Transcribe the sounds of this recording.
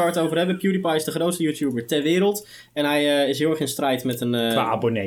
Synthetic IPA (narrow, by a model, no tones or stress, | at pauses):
aɹətowvərɦɛbəpjuɾipɑjɪzdəχrowtstəjuːtjuːbəɹtɛɹʋɪːɾəlˠt | ɛnɦɛjəɪs̬ɦɪlˠɛχɪnstrɛjtmɛtənaːa̰bone